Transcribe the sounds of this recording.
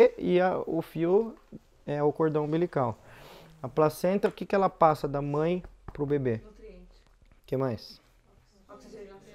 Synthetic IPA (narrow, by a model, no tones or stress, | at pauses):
ɪɐʊfiu | ɛʊkoɾd̪ɐ̃w̃bilikawɐplasẽnt̪ɐʊkɪkɪɛlɐpasɐd̪ɐmɐ̃j̃pɾʊbebe | kemajs